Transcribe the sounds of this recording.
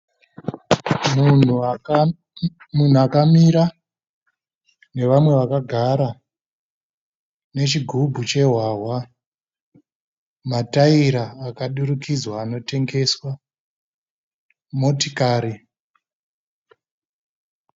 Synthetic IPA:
m | mun̤uakamiɾa | ne̞ʋamwe̞ʋakaɡʱaɾa | ne̞t͡ʃiɡʱubʱut͡ʃe̞ɦwaɦwa | mataiɾaːkaɗuɾukid͡zwaːno̞te̞ŋɡe̞swa | mo̞tikaːɾi

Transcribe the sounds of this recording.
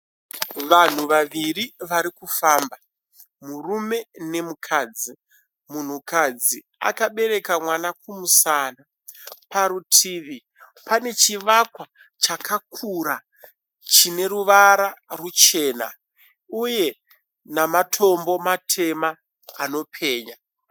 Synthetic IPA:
ʋan̤uʋaʋiriʋaɾikufaːmba | murume̞ne̞mukʰaːd͡zi | mun̤ukad͡zi | a̰kaɓe̞ɾe̞kamwanakumusaːna | paɾutʰiːʋi | pane̞t͡ʃiʋakwa | t͡ʃakʰakʰuɾa | t͡ʃine̞ɾuʋaɾarut͡ʃe̞ːna̰ | uje̞ | namatʰo̞mbo̞matʰe̞maː | no̞pʰe̞ːɲa

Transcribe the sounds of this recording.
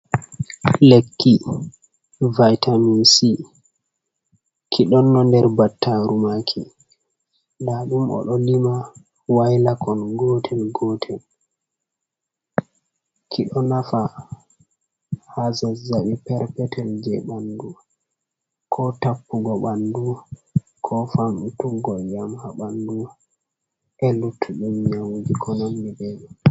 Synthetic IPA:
lekʰːi | vajtʰamisi | kʰiɗɔnːɔndɛɾbatːaɾumakʰḭ | laɗumʔɔ̰ɗɔlima | wajlakɔnɡɔːtʰɛlɡɔtʰɛl | kʰiɗɔnafa | hasazaɓipɛɾpɛtʰɛld͡ʒɛɓandu | kʰɔtapːuɡɔɓandu | kʰɔfamutuɡɔjamhaɓandu | ʔɛlutʰːuɗumɲawd͡ʒikʰɔnamːibɛɲam

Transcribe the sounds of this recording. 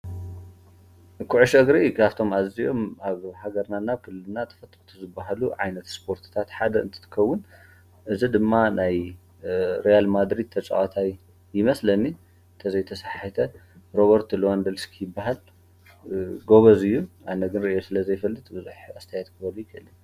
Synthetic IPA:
kʰuʕuʃɐɡɾikʰaβt̪ʰo̞mazijo̞maβhaɡɐɾnanːaβkʰɨllɨnːat̪ʰɐ̥fɐt̪ʼut̪ʰuzɨbːaɦaluʕa̰jnɐt̪spʰo̞ɾt̪ʰɨ̥t̪ʰat̪ħad̪ɐɨ̰nt̪ʰɐ̥t̪ʰɨ̥kʰɐwːʊn | ʔɨzid̪ɨmːanaj | ɾejalmad̪ɾid̪̚t̪ʰɐt͡sʼa̰ʔat̪ʰaj | jɪmɐslɐnːi | nt̪ʰɐzɐjt̪ʰɐsaħħit̪ʰɐ | ɾo̞βɐɾt̪ʰloand̪ɐlskʰijɪbːaɦal | ɡo̞βɐzɨjːuʔanɐɡɨnɾɨʔijosɨlɐzɐjfɐlːɨt̪ʼbɨzuħast̪ʰɐjat̪kʰɨbɐlujkʰɨʔɨlːi

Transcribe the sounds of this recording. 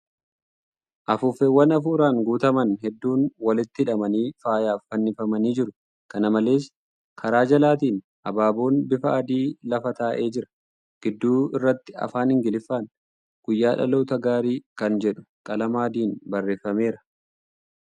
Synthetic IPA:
ʔɐfʊfɛwːɐnɐfuːɾaːŋɡuːt̪ɐmɐnhɛd̪ːuːnwɐlɪt̪ːɪɪᶑɐmɐniːfaːjaːfːɐnːɪfɐmɐniːd͡ʒɪɾʊ | kɐnɐmɐle̞ːs | kʰɐɾaːd͡ʒɐlaːt̪̬iːn | ʔɐbaːboːnbɪfɐʔɐd̪iːlɐfɐt̪aːʔe̞ːd͡ʒɪɾɐ̥ | ɡ̥ɪd̪ːuːɪrːɐt̪ːɪ̥ɐ̰faːnhɪŋɡɪlɪfːaːn | ɡ̥ʊjːaːᶑɐ̰lo̞ːt̪ɐɡaːɾiːkɐnd͡ʒɛᶑʊ̥kʼɐlɐmaːd̪iːnbɐrːe̞ːfːɐme̞ːɾɐ

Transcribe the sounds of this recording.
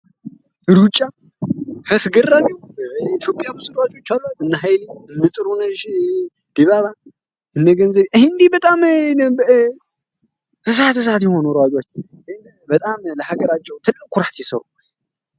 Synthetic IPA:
ɨɾut͡ʃʼːa | həsɡɨranɛit̪ʰjopʼjamɨsʼɨɾwad͡ʒʼo̞t͡ʃːalːəhɨnːəɦajliɨnːɨsʼɨɾunəʒ | d̪̥iβaβa | ʔɨnːəɡənzəβʔɨhnd̪ibət̪ʼam | ɨs̬at̪ɨs̬at̪jɛho̞nuɾwad͡ʒʼot͡ʃː | hn | bət̪ʼamləhaɡəɾat͡ʃːɛwt̪ʰɨlːɨkʰːuɾat̪jɛsə̰ɾṵ

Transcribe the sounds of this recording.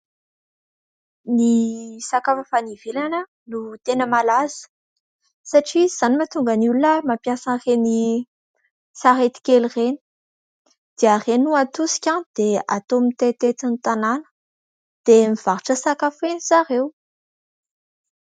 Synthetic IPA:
nisakafəfanivelanə | nut̪enəmalaz̥ə̥ | saʈ͡ʂiz̥animat̪uŋɡanulunəmapjasəreni | saɦet̪i̥kelireni̥ | d̪̥earenuat̪usi̥kʲãnd̪̥eat̪omit̪et̪et͡s̪anit̪ananə̥ | d̪̥emiv̥aɾiʈ͡ʂəsakafenisaɾew

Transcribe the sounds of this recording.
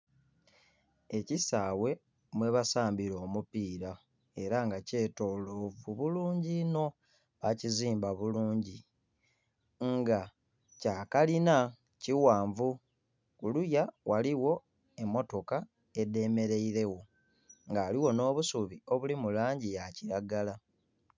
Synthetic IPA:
e̞cisaːwe̞ | mwe̞βasaːmbiɾo̞ːmupiːɾa | e̞ɾaŋɡace̞ːto̞lovuβuluːɲɟino̞ | βaciziːmbaβuluːɲɟi | ŋɡa | caːkalina | ciwaːɱvu | kulujawaliwo̞ | e̞mːo̞to̞ka | e̞de̞me̞ɾe̞iɾe̞wo̞ | ŋɡaːliwo̞no̞ːβusuβio̞βulimulaːɲɟijaciɾaɡala

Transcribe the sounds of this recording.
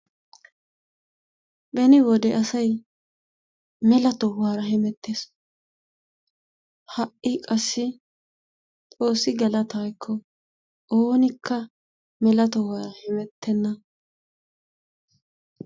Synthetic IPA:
bɛnɪwɔd̪ɛʔɐsɐj | mɛlɐt̪ɔwaːɾɐɦɪmɛt̪ːeːs | hɐʔɪkʼɐsːɪ | t̪ʼo̞ːsːɪɡɐlɐt̪aːjkʰːɔ | oːnɪkʰːɐ | mɛlɐt̪ɔwaːɾɐhɪmɛt̪ʰːɛnːɐ

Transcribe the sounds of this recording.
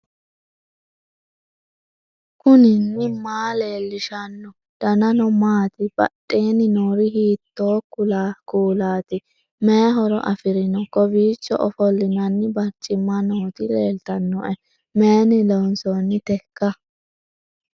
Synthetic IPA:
kʊnɪnːɪmaːleːlːɪʃɐnːɔ | d̪̥ɐnɐnɔmaːt̪ɪb̥ɐ̰ɗʼːeːnɪnoːɾɪhiːt̪ːoːkʊlaːkuːlaːt̪ɪ | mɛɦɔɾɔ̰ʔɐfɪɾɪnɔkɔbiːt͡ʃːɔ̰ʔɔfɔlːɪnɐnːɪbɐɾt͡ʃʼːɪmːɐnoːt̪ɪleːlt̪ɐnːɔʔɛ | meːnɪlɔwnsɔnːɪt̪ɛkːɐ

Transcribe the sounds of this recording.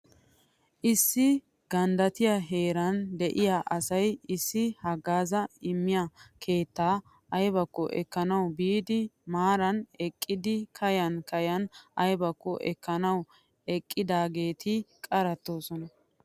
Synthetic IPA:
ʔɪsːɪ | ɡ̥ɐnd̪ɐt̪ɪjɐɦe̞ːɾɐnd̪ɛʔɪjaʔɐsɐjɪsːɪhɐɡːaːzɐɪmːɪjɐkʰe̞ːt̪ːaː | ɐjbɐkːɔʔɛ̰kːɐnɐwbiːd̪ɪmaːɾɐnɛkʼːɪd̪ɪkʰɐjɐnkɐjɐnʔɐjbɐkːɔʔɛ̰kːɐnɐw | ɛkʼːɪd̪aːɡe̞ːt̪ʰɪkʼɐɾɐt̪ːo̞ːsɔnɐ

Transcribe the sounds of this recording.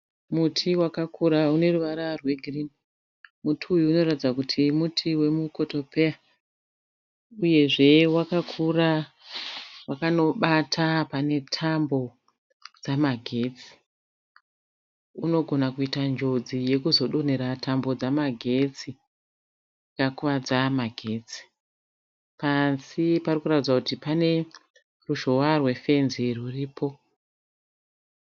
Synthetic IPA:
mutʰiwakakuɾaune̞ruʋaɾarwe̞ɡʱirini | mutʰiujuːno̞ratid͡zakutʰimutʰiwe̞muko̞to̞pʰea | uje̞ʐe̞wakakʰura | wakano̞ɓatʰapane̞tʰambo̞ | d͡zamaɡʱe̞t͡si̥ | uno̞ɡʱo̞nakuitand͡ʒo̞d͡zije̞kuzo̞ɗo̞neɾatʰambo̞d͡zamaɡʱe̞t͡si | kakuʋad͡zamaɡʱe̞t͡si̥ | pansiparikuratid͡zwakutipane̞ | ruʒo̞warwe̞fe̞nziruriːpʰo̞

